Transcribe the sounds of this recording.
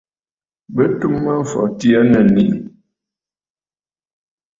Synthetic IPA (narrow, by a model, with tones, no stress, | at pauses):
bə˦tu˦mːə˦ɱ̩˨fɔ̰˨ti˦a˦nə˨ni˨